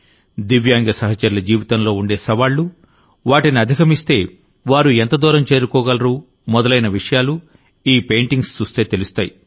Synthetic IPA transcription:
d̪iʋjaːŋɡɐsɐɦɐt͡ʃɐɾilɐd͡ʒiːʋit̪ɐnlo̞ːuɳɖe̞ːsɐʋaːɭːu | ʋaːʈiniɐd̪ʱikɐmist̪e̞ː | ʋaːɾuɛnt̪ɐd̪ɔːɾɐmt͡ʃe̞ːɾukɔːɡɐlɐɾuː | mɔd̪ɐlɐjnɐʋiʂɐjaːlu | iːpe̞jɳʈiŋɡst͡ʃust̪e̞ːt̪elust̪aːji

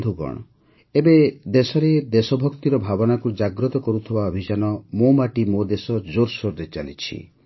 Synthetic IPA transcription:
d̪ʱuɡɔ̰ɽ̃ɔ | ebed̪esɔɾed̪esɔbʱɔkt̪iɾɔbʱabɔnakud͡ʒaɡɾɔt̪ɔkɔɾut̪ʰibaɔbʱid͡ʒanɔmomaʈimod̪esɔd͡ʒoɾsoɾɾed͡ʒa̰nḭt͡ʃʰḭ

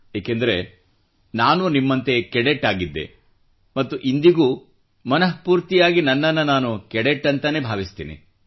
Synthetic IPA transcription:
jaːkend̪ɐɾe̞ | naːnunimːɐnt̪e̞kɛɽeʈːaːɡid̪ːḛ | mɐt̪ːuʔind̪iɡuː | mɐnɐɦpuːɾt̪ijaːɡinɐnːɐnːɐnaːnukɛɽeʈːɐnt̪ɐne̞ːbʱaːʋist̪ḭːnḭ

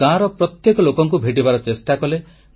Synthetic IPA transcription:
ãɾɔpɾɔt̪jekɔlokɔŋkubʱeʈibaɾɔt͡ʃesʈakɔle

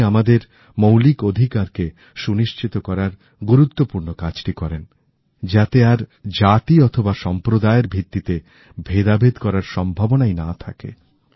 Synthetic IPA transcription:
amad̪eɾ | mowlikod̪ʱikaɾke | ʃuniʃt͡ɕit̪okɔɾaɾ | ɡuɾut̪ːopuɾnokad͡ʑʈikɔɾen | d͡ʑat̪eaɾd͡ʑat̪iɔt̪ʰobaʃɔmpɾod̪aeɾbʱit̪ːit̪e | bʱed̪abed̪kɔɾaɾʃɔmbʱabonainat̪ʰa̰kḛ

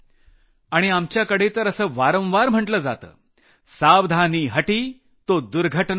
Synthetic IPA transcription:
aɽ̃iamt͡ɕjakəɽ̤et̪əɾəsəːʋaɾə̃w̃ʋaɾm̤əʈləːd͡za̰t̪ə̰ː | saʋd̪ʱaniːɦəʈiː | t̪od̪uɾɡʱəʈn

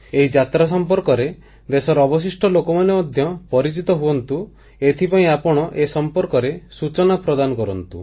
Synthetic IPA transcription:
eɦid͡ʒat̪ɾas̬ɔmpɔɾkɔɾe | d̪esɔɾɔbɔs̬isʈʰɔlokɔmanemɔd̪ʱjɔpɔɾit͡ʃit̪ɔɦuɔnt̪u | et̪ʰipaĩapɔɽ̃ɔʔesɔmpɔɾkɔɾesut͡ʃɔnapɾɔd̪anɔkɔɾɔnt̪u

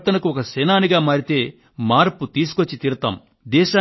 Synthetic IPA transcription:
t̪ɐnɐkuɔkɐsɛːnaːniɡaːmaːɾit̪e̞ː | maːɾput̪iːsu̥kot͡ʃːit̪iːɾɐt̪a̰ːm | d̪ɛːʃaː

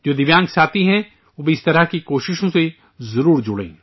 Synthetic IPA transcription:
d͡ʒoːd̪ɪʋjãːŋɡsaːt̪iɦɛ̃ | ʋoːbʱiɪst̪ɐɾəɦkikoːʃɪʃõse | zɐɾuːɾd͡ʒʊɽḛ̃ː

